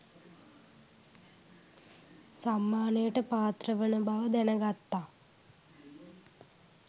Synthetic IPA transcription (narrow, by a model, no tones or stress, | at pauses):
samːaːnəjəʈəpaːt̪rəʋənəbaʋəd̪ænəɡat̪ːaː